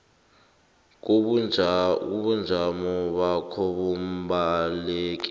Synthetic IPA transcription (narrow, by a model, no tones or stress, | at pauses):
k̬uɓu | uɓund͡zʱamɔɓakʰɔɓumbaleːk̬ʼi̥